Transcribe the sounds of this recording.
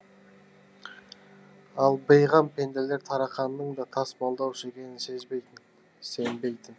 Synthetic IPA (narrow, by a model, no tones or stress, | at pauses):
ɑlˠbəjʁɑmpʰe̞nd̪ele̞ɾt̪ʰɑɾɑqɑnːəɴd̪ɑt̪ʰɑsbɑlˠd̪ɑwʃekʲe̞nɪnse̞zbe̞jt̪ɪn | se̞nbe̞jd̪ɪ